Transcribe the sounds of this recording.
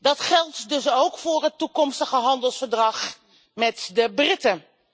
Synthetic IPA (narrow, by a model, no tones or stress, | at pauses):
dɑtχɛlˠtdɵsowkfʊːɹɦətːukɔmstəχəɦɑndəlˠsfəɹdrɑχ | mɛtdəbrɪtə